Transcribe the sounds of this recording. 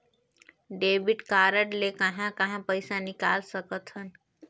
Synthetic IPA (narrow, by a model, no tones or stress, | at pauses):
ɖeːbɪʈkaːɾəʈlekəɦãkəɦãpəɪsanɪkaːlsəkət̪ɦən